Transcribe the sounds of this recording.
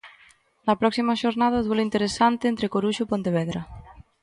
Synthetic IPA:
nɐpɾɔksimɐʃoɾnað̞ɐðwoloint̪eɾesant̪eːnt̪ɾekoɾuʃopont̪eβ̞ɛðɾɐ

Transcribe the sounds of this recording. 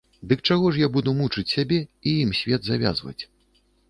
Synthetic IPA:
d̪ɨk̚t͡ʂaɣɔʂ̬jabud̪umut͡ʂɨt͡sʲsʲabʲɛijimsʲvʲɛd̪zavʲa̰zvɐ̰t͡sʲ

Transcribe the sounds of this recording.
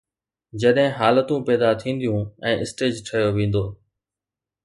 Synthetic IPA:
d͡ʑɐɗɦɪ̃ɦaːlət̪ũpɛːd̪at̪ʰĩːnd̪ijũɛ̃ːʔɪsʈeːd͡ʑʈʰɐjoʋẽːn̆d̪oː

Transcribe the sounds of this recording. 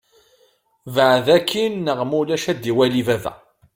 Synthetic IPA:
vəʕðækʰːinːəʁmulæʃæd̪iwælivævæ̰

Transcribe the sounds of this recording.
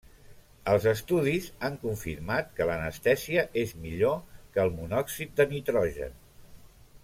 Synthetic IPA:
əlˠzəst̪uðizaŋkuɱfḭɾmat̪kələnəst̪ɛziəʔezmiʎokəːlˠmunɔksit̪̚d̪ənit̪ɾɔʒə̰n

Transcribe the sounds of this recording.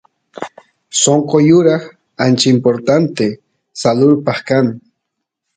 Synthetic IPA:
soŋqojʊɾaχ | ant͡ʃɪimpoɾt̪ant̪e | salʊɾpaχkan

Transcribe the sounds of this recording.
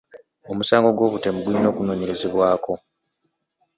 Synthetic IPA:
o̞musaːŋɡo̞ɡwo̞ːβute̞muɡulino̞ːkuno̞ːɲe̞ɾe̞ze̞βwaːko̞

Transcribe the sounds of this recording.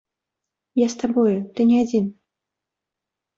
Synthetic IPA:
jast̪abɔjʊt̪ɨnʲɛad͡zʲin

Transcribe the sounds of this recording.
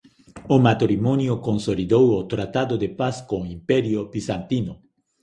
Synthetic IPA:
omat̪oɾimonjokõnsoliðowot̪ɾat̪aðod̪epaskõimpɛɾjobisant̪ino

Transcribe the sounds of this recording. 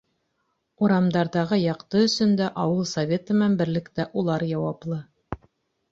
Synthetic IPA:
uɾɑmd̪ɑɾðɑʁɤjɑqt̪ɤɵ̆sɵ̆nd̪æʔɑwɤlˠsɐvʲe̞t̪ɤ̆mænbɘ̆ɾlɘ̆kt̪æʔulˠɑɾjɑwɑplˠɤ

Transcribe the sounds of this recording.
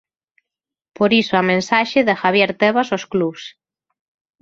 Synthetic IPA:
poɾisoamẽnsaʃɪðɪxaβjeɾt̪eβasosklus

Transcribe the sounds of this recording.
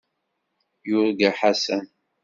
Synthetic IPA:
jʊɾɡaħasæn

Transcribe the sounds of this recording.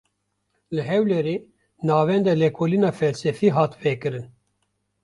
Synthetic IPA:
lɨɦɛwlɛɾeː | nɑːvɛnd̪ɛlɛkʰoːlinɑːfɛlsɛfiːɦɑːt̪vɛkɨɾɨn

